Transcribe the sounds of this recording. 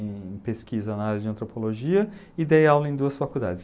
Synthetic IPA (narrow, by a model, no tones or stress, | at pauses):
peskizɐnaaɾjɐd͡ʒɪɐ̃nt̪ɾopoloʒiɐ | ɪd̪ejawlɐẽd̪uɐsfakud̪a̰d͡ʒɪs